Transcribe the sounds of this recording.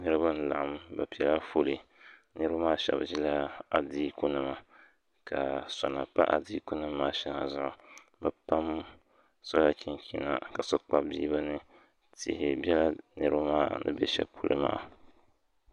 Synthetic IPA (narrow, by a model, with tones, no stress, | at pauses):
nɨ˦ɾɨ˦ba˦n̩˦˨la̰˨ʔa˨mba˨pi˨ɛ˨la˦fo˦lɨ˨nɨ˦ɾu˦maː˦˨ʃɛ̰˨bʒi˦la˦a˨diː˦ku˦nɨ˦ma˨ | ka˨sa˨na˨pa̰˦ʔa̰˨di˦ku˦nɨ˦mːaː˦ʃɛ˦ŋa̰˨zʊ˦˨ʔa˨ | ba˨pa˦m | sɔ˦la˨kʲʰi˦ŋkʲi˦˨na̰˦˨ka˨sɔ˦k͡pa˦biː˦ba˦nɨ˦ | tɪ̰˨hɪ˨bɛ˦la˦nɨ˨ɾɨ˦ba˦maː˦˨nɨ̰˦bɛ˦ʃɛ̰˦pʰu˦lɨ̰˦ma̰ː˦˨